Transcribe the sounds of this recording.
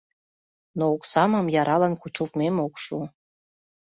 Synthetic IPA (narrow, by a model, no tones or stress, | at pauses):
nooksɑməmjɑɾʔɑlɑnkut͡ʃut̪memokʃu